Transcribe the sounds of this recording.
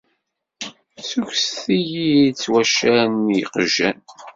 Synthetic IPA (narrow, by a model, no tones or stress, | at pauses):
suçsθijit͡sːwæʃænjəqəʒæn